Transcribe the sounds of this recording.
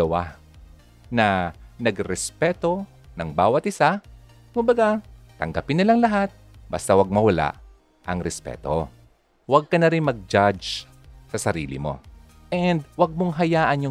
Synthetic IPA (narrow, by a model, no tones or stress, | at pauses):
ɐwa | nɐnɐɡɾɛspɛːt̪o̞ | nɐŋbaːwɐt̪̚ʔɪsa | kʊmbɐɡat̪ɐŋɡɐpɪnːɪlaŋlɐɦat̪̚ | bɐ̰st̪awɐɡ̚mɐwɐla̰ʔ | ʔɐŋɾɛspɛ̰ːt̪o | wɐɡ̚kɐnɐɾɪnmɐɡ̚d͡ʒad͡ʒ | sɐsɐɾiːlɪ̰mo̞̰ | ʔɛnd̪wɐɡ̚moŋɦɐjaːʔɐnjʊ